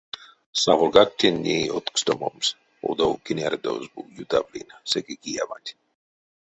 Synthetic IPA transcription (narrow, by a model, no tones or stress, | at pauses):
savolɡak̚t̪ʲinʲːeot̪kst̪omoms | o̰d̪owkinʲaɾd̪ozbujut̪avlʲḭnasekekijamat̪ʲ